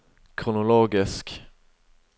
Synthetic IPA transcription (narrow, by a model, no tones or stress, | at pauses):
kʰɾʊnʊloːɡɪsk